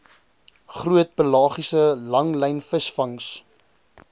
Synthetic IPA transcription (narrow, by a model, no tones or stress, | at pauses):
χruət̚pəlɑːχisəlɐŋlɛjnfəsfɐŋs